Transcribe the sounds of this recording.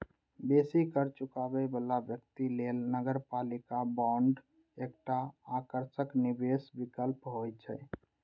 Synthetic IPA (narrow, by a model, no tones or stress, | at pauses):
besikəɾt͡ʃukabɛbəlabjəkt̪ilelnəɡəɾpalikabɔ̃ɳɖ | ekʈaːkəɾsəknibesbikəlpɦojt͡ʃʰɛ̰